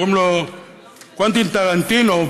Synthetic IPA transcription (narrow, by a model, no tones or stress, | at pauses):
omlɔ | kwant̪int̪akan̩t̪inɔ